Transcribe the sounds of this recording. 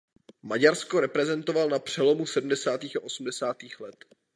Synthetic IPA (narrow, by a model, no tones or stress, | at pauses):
maɟaɾsko̞ɾɛpɾɛzɛnt̪ovalnapr̝̥ɛlo̞musɛdm̩dɛsaːt̪iːxaʔo̞sm̩dɛsaːt̪iːxlɛt̪